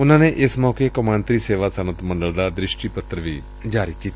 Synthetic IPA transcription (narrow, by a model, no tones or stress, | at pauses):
ʊn̤ãːneʔɪsmɔːkekʊmãːnt̪ɾiseːʋasənət̪mə̃ɳɖəld̪ad̪ɾɪʃʈipət̪ɾəʋḭː | d͡ʒaːɾikiːt̪ː